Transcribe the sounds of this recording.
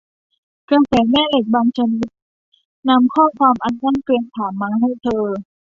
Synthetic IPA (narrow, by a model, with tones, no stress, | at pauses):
ka˧sɛː˩˦mɛː˥˨le˧˨˩k̚baː˧ŋsa˧ni˧˦˥t̪̚ | na˧˥mkʰɔː˥˩˨kʰwaː˧mʔa˧nːaː˥˨nkli˧əŋt̪ʰaː˩˦mːaː˧ɦa˥˩˨jt̪ʰɤː˧